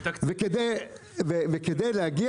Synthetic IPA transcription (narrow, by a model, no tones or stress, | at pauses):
veked̪ej | veveked̪ejlehaɡi